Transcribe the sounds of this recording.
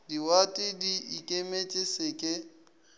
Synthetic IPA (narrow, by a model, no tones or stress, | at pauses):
diwatʼɪdiikʼemet͡ʃʼɪsɪkʼɪ